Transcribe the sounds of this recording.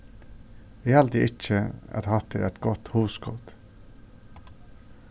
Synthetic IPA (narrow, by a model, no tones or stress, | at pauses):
eːɑlt̪iːʔɪc͡çəæ̰t̪hɑt̪ʰɪ̰ʔɛ̰t̪ɡɔt̪huːsɡɔd̪̥